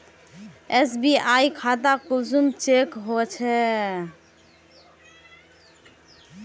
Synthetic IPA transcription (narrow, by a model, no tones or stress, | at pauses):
es̬biajkʰat̪akulsumt͡ʃekɦot͡ʃʰɛ